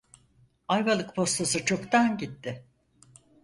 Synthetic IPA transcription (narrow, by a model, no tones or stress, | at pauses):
ajvalˠɯkpʰo̞st̪ʰasɯt͡ʃʰo̞kt̪anɟit̪ːɪ